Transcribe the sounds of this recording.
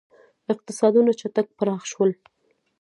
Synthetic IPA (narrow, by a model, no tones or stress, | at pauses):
ɪq̚t̪ɪsɑd̪unat͡ʃat̪ak̚pəɾɑxʃwəl